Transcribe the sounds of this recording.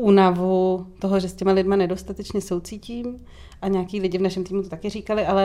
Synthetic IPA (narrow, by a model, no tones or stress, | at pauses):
ʔuːnavut̪o̞ɦoʒɛscɛmalɪdmanɛdo̞st̪at̪ɛt͡ʃɲɛso̞wt͡siːciːm | ʔaɲɛakiːlɪɟɪvnaʃɛmt̪iːmut̪ot̪akɪriːkalɪʔalɛ